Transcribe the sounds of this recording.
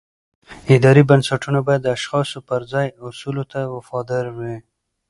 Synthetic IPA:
ɪd̪ɑɾibənsaʈunabɑjad̪ːəaʃxɑsopəɾzɑjʊsulot̪awafɑd̪ɪɾwi

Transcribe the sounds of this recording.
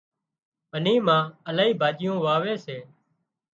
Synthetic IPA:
bəniːmãːəlaːiːbʱaːd͡ʒɪjõːʋaːʋeːseː

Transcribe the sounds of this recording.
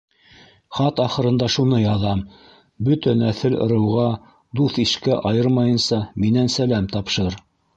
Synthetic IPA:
χɑt̪ɑχɤ̆ɾɤ̆nd̪ɑʃunɤjɑðɑm | bɵt̪ænæθɘlŏ̰ɾɤ̆wʁɑ | d̪uθiʃkæʔɑjɤɾmɑjɤ̆nsɑminænsælæmt̪ɑpʃɤɾ

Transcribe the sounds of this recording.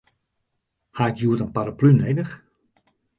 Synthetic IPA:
haɪkjuːətənpaɾaplyneːdəx

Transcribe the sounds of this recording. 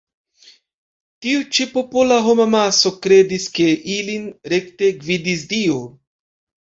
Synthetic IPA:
tiut͡ʃipo̞polaɦo̞mamaso̞kɾe̞diske̞ʔilinɾe̞kte̞ɡvidis̬dio

